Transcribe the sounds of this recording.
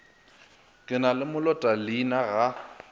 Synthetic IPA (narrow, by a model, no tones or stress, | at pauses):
kʼɪnalɪmʊlɔtʼalinaɣa